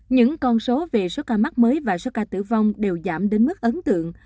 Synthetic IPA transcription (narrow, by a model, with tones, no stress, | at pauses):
ɲɨ̰˧˥ŋkɔ˧nso˨˦ve˨˩so˨˦kaː˧ma˦˥k̚məː˨˦jvaː˨˩so˨˦kaː˧t̪ɨ̰˧˩va˧wŋ͡mɗe˨˩wza̰ː˧˩mɗe˨˦nmɨ˦˥k̚ʔə˨˦nt̪ɨ̰˧˨əŋ